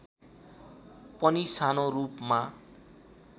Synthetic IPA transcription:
pʌnisanorupma

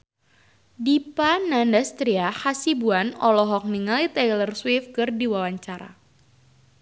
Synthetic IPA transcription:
dipanandast̪ɾiahasibuanɔlɔɦɔk̚niŋalit̪ajlərswifkɨrdiwawaɲt͡ʃaɾa̰

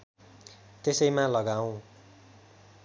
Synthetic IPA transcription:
t̪esʌjmãlʌɡaw̃

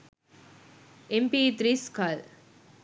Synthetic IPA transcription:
empit̪ɾiskal

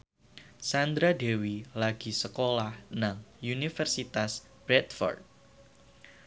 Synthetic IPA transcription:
sand̪ɾade̤wilaɡ̥i̤səkolahnaŋunifərsit̪as | b̥ɾɛt̪̚fɔ̰rd̪̚

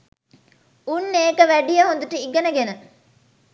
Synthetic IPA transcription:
unːeːkəʋæɖijəɦõnd̪uʈəiɡɐnəɡenə

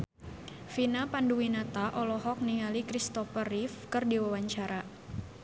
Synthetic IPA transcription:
finapanduwinat̪aʔɔlɔɦɔk̚niŋalikɾist̪ɔfərifkɨrdiwawaɲt͡ʃaɾa

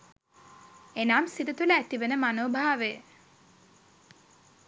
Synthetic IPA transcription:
enaːmsid̪ət̪uləæt̪iʋenəmanoːbʱaaʋe

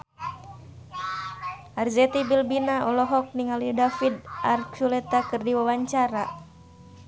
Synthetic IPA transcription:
ʔarzɛt̪ibilbinaɔlɔɦɔk̚niŋalidafidarkt͡ʃulɛt̪akɨrdiwawaɲt͡ʃaɾa

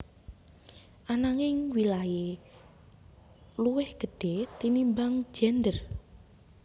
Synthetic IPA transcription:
ʔanaŋɪŋwilaje | luwɛhɡ̥ə̤ɖ̥et̪inimbaŋ̥d͡ʒ̥ɛnd̪ər

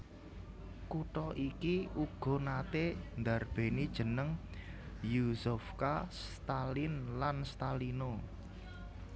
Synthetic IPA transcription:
kuʈɔʔikiuɡ̥ɔ̤nat̪end̪a̤rb̥e̤nid̥ʒ̥ə̤nəŋ | jusufkast̪alinlanst̪alino

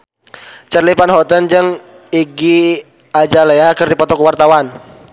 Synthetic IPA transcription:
t͡ʃərlipanɦɔt̪ənd͡ʒəŋ | iɡi | ad͡ʒaleakərdipɔt̪ɔkəwart̪awan

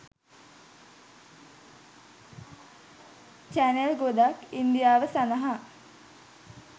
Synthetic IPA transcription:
t͡ʃænelɡod̪akind̪ijaːʋəsanəɦa

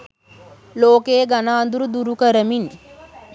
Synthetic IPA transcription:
loːkeːɡanaːnd̪uɾud̪uɾukəɾəmin

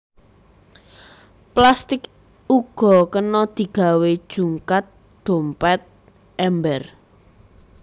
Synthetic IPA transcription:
plast̪ɪk | uɡ̥ɔ̤kənɔd̪̥i̤ɡ̥a̤wed̥ʒ̥ṳŋkat̪̚ | ɖ̪̥o̤mpɛt̪̚ | ʔɛmbɛr

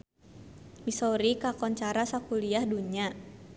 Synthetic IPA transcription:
misɔɾikakɔnt͡ʃaɾasakuliahduɲa

